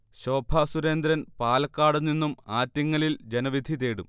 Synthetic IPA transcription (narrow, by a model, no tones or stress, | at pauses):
ɕo̞ːbʱɐsuɾe̞ːnd̪ɾɐnpaːlɐkːaːɽunːinːumaːtːjɐŋːɐlild͡ʑe̞nɐʋid̪ʱit̪eːɽum